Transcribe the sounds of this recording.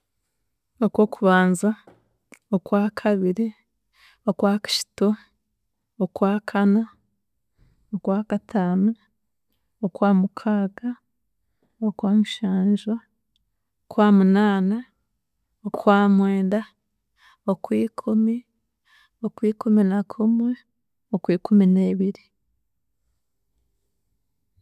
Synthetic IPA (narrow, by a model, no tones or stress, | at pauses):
okwokuβaːnza | okwaːkʰaβiɾi | okwaːkḁʃi̥to | okwaːkʰana | okwaːkatʰaːnu | okwaːmukʰaːɡa | okwaːmiʃaːnʒa | okwaːmunaːna | okwaːmweːnda | okwiːkʰumi | okwiːkuminakʰumŋe | okwiːkumineβiɾi